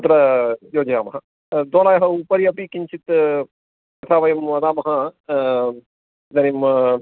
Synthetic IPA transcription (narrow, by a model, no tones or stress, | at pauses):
ɐt̪ɾɐjoːd͡ʒɐjaːmɐɦɐ | d̪oːlaːjɐɦɐupɐɾiɐpikiɲt͡ʃʰit̪ | kɐt̪ʰaːʋɐjɐmʋɐd̪aːmɐɦɐ | d̪ɐnim